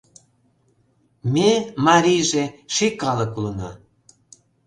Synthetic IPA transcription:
memɑɾʲijʒeʃikɑləkulənɑ̰

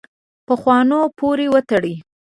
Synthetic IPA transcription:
pəxwɑnopoɾewət̪əɽi

